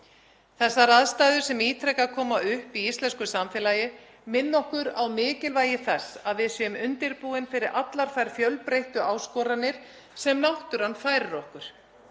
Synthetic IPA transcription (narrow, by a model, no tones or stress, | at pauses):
θɛsːaɾaðst̪aːðʏ̥sɛmiːt̪ʰɾɛkakʰɔːmaʏhpiist̪lɛnskʏsamfɛlajɪ | mɪnːɔhkʏɾawmɪːcɪlvaːjɪθɛsːaðvɪðsjœmʏnt̪ɪɾpuːɪnfɪɾɪɾʔat̪laɾ̥fajɾ̥fjœlpɾejht̪ʏʔaːwskɔːɾanːɪɾ̥ | sɛmnawht̪ʏɾ̥anfaːjɾɪɾɔhkʏɾ̥